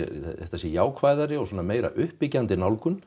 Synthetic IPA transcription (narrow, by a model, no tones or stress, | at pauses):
ɛ̰θɛht̪asjɛjaːwkʰvaːjðaɾɪɔswɔːnameːjɾa̰ʔʏhpɪcant̪ɪnawlkʏn